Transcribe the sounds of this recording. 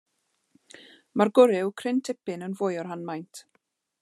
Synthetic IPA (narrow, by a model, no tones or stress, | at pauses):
marɡʊɾɪwkʰrɪntʰɪpɪnənvʊjɔrɦanmajntʰ